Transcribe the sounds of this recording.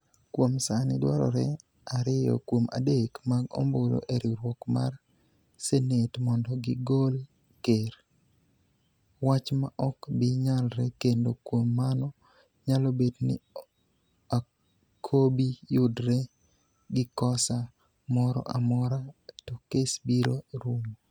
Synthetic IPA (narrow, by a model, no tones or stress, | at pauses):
kwomsanɪdwaɾɔ̰ɾɛ | aɾɪjɔ̰kwoma̰dekmaɡo̰mbolo̰ʔeɾiɾwɔkma̰r | senetmɔndɔɡɪɡol | keɾ | wat͡ʃma̰ʔɔkbɪɲalɾɛkendokwomːanɔ | ɲalɔbednɪ̰ | a | kʰobijʊdɾɛ | ɡɪkɔsa | mɔɾɔ̰ʔamɔɾatokesbiɾoɾumo